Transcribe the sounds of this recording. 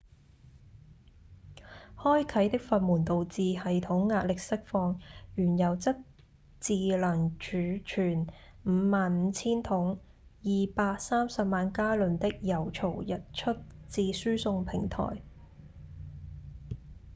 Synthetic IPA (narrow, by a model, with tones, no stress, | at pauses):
hɔː˥jkʰɐ˨˥jt̪ɪ˥k̚fɐ˧n̚muː˨˩nt̪o˨wt͡siː˨˧hɐ˨jt̪ʰʊ˨˥ŋːaː˧t̚lɪ˨k̚sɪ˥k̚fɔː˧ŋjyː˨˩njɐ˨˩wt͡sɐ˥t̚ | t͡siː˨˧lɐ˨˩ŋt͡ʃyː˨˥t͡ʃʰyː˨˩nm̩ː˨˧maː˨nm̩˨˧t͡sʰiː˥nt̪ʰʊ˨˥ŋ | jiː˨paː˧k̚saː˥msɐ˨p̚maː˨nkaː˥lɵ˨nt̪ɪ˥k̚jɐ˨˩wt͡ʃʰo˨˩wjɐ˨˩t̚t͡ʃʰɵ˥t̚t͡siː˧syː˥sʊ˧ŋpʰɪ˨˩ŋt̪ʰɔ̰ː˨˩j